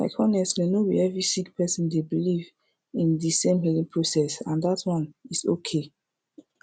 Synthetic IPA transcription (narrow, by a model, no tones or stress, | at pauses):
la̰ɪkʰɔnɛstmenobḭɛvɹisikpʰɛsɔ̃ndebiliv | ĩndisẽmɦilĩŋpʰɹosɛsãndatʰwɔ̃nisokʰe